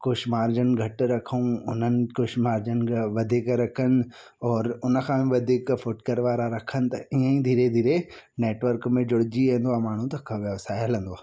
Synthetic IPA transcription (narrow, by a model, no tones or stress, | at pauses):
kʊʃmaːɾd͡ʑənɡʱɐʈɾɐkʰəũʊn̤ənɪ̆kʊʃmaːɾd͡ʑənʋɐd̪ʱikɾɐkʰənɪ̆ | ɔːɾʊnə̆kʰãːʋɐd̪ʱikfʊʈkəɾʋaːɾaɾɐkʰənɪ̆t̪ɐiə̃ĩd̪ʱiːɾed̪ʱiːɾeneːʈʋəɾkmẽd͡ʑʊɽɪd͡ʑiẽnd̪oaːmaːɳ̤ũt̪ɐkʰɐʋeʋsaːɪələ̃n̆d̪oaː